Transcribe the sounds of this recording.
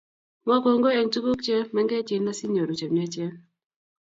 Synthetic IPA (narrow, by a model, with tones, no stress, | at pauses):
ŋɔ˦ko˨ŋɡo˦ɛ˨ŋtu˦ko˦kt͡ʃɛ˦mɛ˦ŋɡɛ˦t͡ʃi˨nːa˦si˦ɲo˨ɾu˨t͡ʃɛ˨mɛ˦t͡ʃjɛ˦